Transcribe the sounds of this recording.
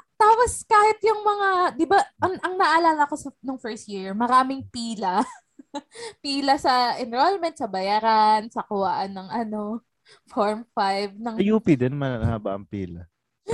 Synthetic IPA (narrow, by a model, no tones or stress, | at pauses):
t̪aːposkaːhɪt̪̚jʊŋmɐŋad̪ɪbaʔɐŋʔɐŋnɐʔɐlaːlɐkosɐnoŋfɛɹst̪jiɹmɐɾaːmɪŋpiːlɐ | piːlɐsɐʔɛnɾolmɛnt̪sɐbɐjaɾansɐkʊwaʔɐnːɐŋʔɐno̞ | foɹmfajvnɐŋjuːpid̪onmɐnɐnɐhaba̰ʔɐ̰ŋpiːlɐ̰